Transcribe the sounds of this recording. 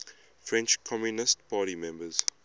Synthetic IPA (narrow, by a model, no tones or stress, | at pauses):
fɹɛ̃nt͡ʃkʰɔmjunɪstpʰaːɾimɛ̃mbəz̥